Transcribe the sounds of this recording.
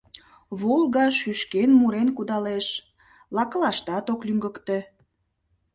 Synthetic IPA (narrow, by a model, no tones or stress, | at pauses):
βolˠɣɑʃyʃkenmuɾenkud̪ɑleʃ | lɑkəlɑʃt̪ɑt̪oklyŋɡəkt̪e